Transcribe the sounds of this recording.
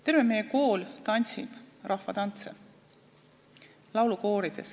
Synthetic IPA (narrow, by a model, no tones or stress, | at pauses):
t̪e̞ɾvemːejeko̞ːlt̪ɑnʲsḭb̥rʔɑhfɑt̪ɑnt̪se | lɑwluko̞ːɾid̪̥e̞s